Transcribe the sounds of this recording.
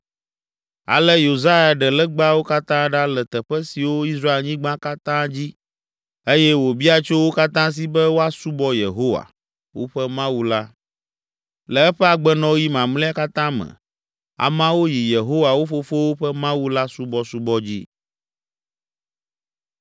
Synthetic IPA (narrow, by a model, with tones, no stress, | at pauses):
a̰˨lɛ˦jo˨za˦ja˨ɖɛ˨lɛ˦ɡ͡ba˦wo˦ka˦t̪ã˦ɖa˦lɛ˨t̪ɛ˨ɸɛ˦si˨wo˦i˦sɾa˦e˨lɲĩ˦ɡ͡bã˦ka˦t̪ã˦d͡ʑi˦ | e˦jɛ˦wo˨bi˦a˨t͡ʃo˦wo˦ka˦t̪ã˦s̬i˦bɛ˦wo˦a˦su˦bɔ˦je˨ɦo˦wa̰˨ | wo̰˦ɸɛ˦mã˦wu˦la˦ | lɛ˨ɛ˦ɸɛ˦a˨ɡ͡bɛ˦nɔ̃˦wji˦mã˨mlɛ˦a˦ka˦t̪ã˦mɛ̰̃˨ | a̰˨mã˦wo˦ji˨je˨ɦo˦wa˨wo˦fo˦fo˦wo˦ɸɛ˦mã˦wu˦la˦su˦bɔ˦su˦bɔ˦d͡ʑi˦